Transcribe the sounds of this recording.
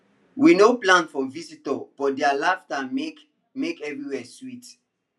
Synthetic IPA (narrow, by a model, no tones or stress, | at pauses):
winoplãnfɔ̃visitɔb̥ɔt̚dɛalaftaek | mekɛvɹiwɛswit